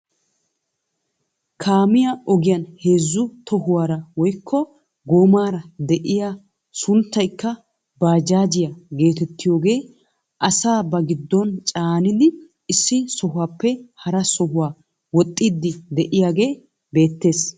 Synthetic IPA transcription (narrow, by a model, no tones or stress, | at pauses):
kʰaːmɪjaʔɔɡɪjɐnhe̞ːzːʊt̪ʰɔhʊwaːɾɐwɔjkʰːɔ | ɡoːmaːɾɐd̪ɛʔɪja | sʊnt̪ːɐjkːɐ | baːd͡ʒaːd͡ʒɪjaɡe̞ːt̪ɛt̪ːɪjo̞ːɡe̞ː | ʔɐsaːbɐɡɪd̪ːɔnt͡ʃʼaːnɪd̪ɪ | ɪsːɪsɔɦʊaːpːɛhɐɾɐsɔɦʊwaː | wɔt̪ʼːɪd̪ːɪd̪ɛʔɪjaːɡe̞ː | be̞ːt̪ːe̞ːs